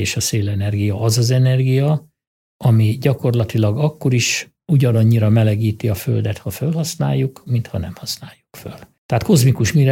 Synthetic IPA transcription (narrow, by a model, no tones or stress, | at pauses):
eːʃɒseːlɛnɛrɡijɒʔɒzɒzɛnɛrɡijɒ | ɒmiɟɒko̞rlɒt̪ilɒɡɒkːo̞ɾiʃ | uɟɒnɒɲːiɾɒmɛlɛɡiːt̪iɒfø̞̰ld̪ɛt̪hɒfølhɒsna̰ːjːukmint̪hɒnɛ̰mhɒsnaːjukføl | t̪ɛɦaːt̪ko̞zmikuʃmiɾɛ